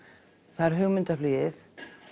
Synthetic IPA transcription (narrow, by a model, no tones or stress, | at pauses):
θaɾ̥ɦʏɣmɪnt̪afliːɪθ